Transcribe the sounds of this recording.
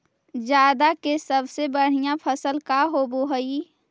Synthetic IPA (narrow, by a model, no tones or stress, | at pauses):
d͡ʒjaːd̪akesəbsebəɽ̤ijãpʰəsəlkaɦoboɦəi